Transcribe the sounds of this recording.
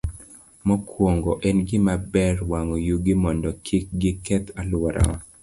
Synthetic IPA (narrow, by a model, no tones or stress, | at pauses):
mɔkwoŋɡɔʔɛnɡɪmabɛrwaŋɔjuɡɪmɔndɔkʰik̚ɡɪkɛt̪alwaɾa̰